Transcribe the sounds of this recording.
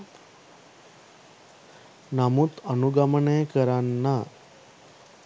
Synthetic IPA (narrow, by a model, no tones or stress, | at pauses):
namuːt̪ənuɡaməɳekəɾanːa